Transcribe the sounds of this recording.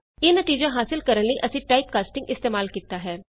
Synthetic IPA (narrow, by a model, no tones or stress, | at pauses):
eːnət̪iːd͡ʒãːɦaːsɪlkəɾənləiʔəsĩːʈaːip̚kaːsʈɪ̃ŋɡɪst̪eːmaːlkiːt̪aːɦɛː